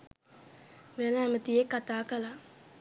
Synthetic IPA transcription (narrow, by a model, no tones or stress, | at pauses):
ʋenəæmət̪ijekːat̪aːkəla